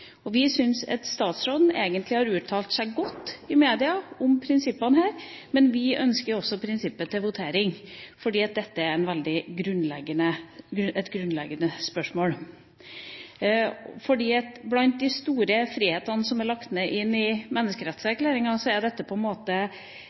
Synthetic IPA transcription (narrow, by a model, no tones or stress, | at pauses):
ɔʋɪsʏnsɑ̰t̪st̪ɑːt̪sɾoːd̪n̩eːɡənt̪lɪhɑɾʉːt̪ʰɑːlt̪sæɪɡɔt̪ːɪmeːd̪ɪɑʊmpʰɾɪnsɪpːɑnhæːɾmɛnʋɪʔœnskəɾɔsːɔpʰɾɪnsɪpːət̪ɪlʋʊt̪ʰeːɾɪŋfɔɖiːɑt̪̚d̪ɛt̪ːəæɾɛnʋɛld̪ɪɡɾʉnlɛɡənəɛt̪ɡɾʉnlɛɡːənəspœʂmoːl | fɔɖiːɑt̪blɑnt̪̚d̪ɪst̪uːɾəfɾiːheːt̪ɑnsɔmæɭɑkt̪nəʔɪnːɪmɛnːəskəɾɛt̪səæɾklæːɾɪŋɑsɔæɖɛt̪ːəpʰɔɛnmoːt̪ə